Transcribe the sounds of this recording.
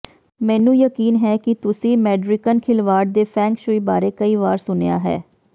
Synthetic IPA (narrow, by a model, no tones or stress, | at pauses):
mɛ̃ːnũːjəkiːnɦɛːkɪt̪ʊsĩːmɛːɖɾɪkənkʰɪlʋaːɾɖ̚d̪eːpʰɛ̃ːŋkʃʊiːbaːɾeːkəiːʋaːɾsʊneja̰ːɦɛ̰ː